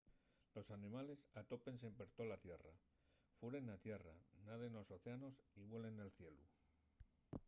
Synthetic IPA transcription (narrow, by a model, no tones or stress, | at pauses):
lo̞sanimale̞sat̪o̞pe̞nsempe̞ɾt̪olat̪je̞ra | fuɾe̞nat̪je̞ra̰naðeno̞so̞θeano̞siβwe̞le̞nːe̞lθje̞lu